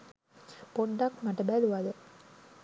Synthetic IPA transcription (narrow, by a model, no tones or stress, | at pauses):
poɖːɐkmaʈɐbæluʋad̪ə